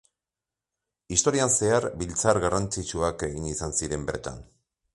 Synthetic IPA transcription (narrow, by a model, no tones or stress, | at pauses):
ist̪o̞ɾianse̞aɾbilt͡saɾɣarant͡sit͡ʃuake̞ɣinisansiɾe̞mbe̞̰ɾt̪a̰n